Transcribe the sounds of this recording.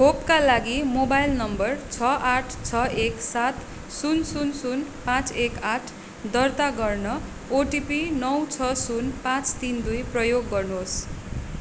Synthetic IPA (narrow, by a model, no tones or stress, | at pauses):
ɦʰopkalaɡimobajlnʌmbʌrt͡sʰʌʔaʈʰt͡sʰʌeksat̪ | sunsunsunpãt͡sekaʈʰ | d̪ʌrt̪aɡʌrnʌ | oʈipinʌwt͡sʰʌsunpãt͡st̪ind̪ujprʌjoɡːʌrnuɦos